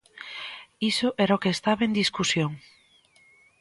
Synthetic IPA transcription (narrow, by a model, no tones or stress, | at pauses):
isʊʔɛɾaokeːst̪aβend̪iskusjoŋ